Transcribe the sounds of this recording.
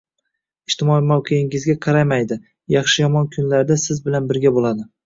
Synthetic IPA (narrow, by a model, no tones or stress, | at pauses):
ɪʃt̪ʰɪmɒɪmawqʰeɪŋɪzɡʲaqʰɑɾajmajd̪ɪ | jɑχʃɪjɒmɒnkʰʊnlaɾd̪asɪzbɪlanbɪɾɡʲabolˠad̪ɪ